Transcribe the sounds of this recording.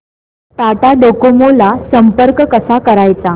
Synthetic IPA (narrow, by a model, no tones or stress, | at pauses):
t̪at̪aɖokomolasəmpəɾkkəsakəɾajt͡sa